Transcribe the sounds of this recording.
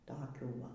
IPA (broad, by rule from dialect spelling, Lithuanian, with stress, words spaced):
ˈtoːkʲuː ˈʋɐ